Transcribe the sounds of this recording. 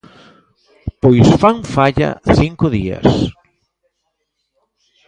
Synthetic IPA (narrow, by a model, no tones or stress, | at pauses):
pojsfaŋfaʎɐ̰θiŋkʊðiɐ̰s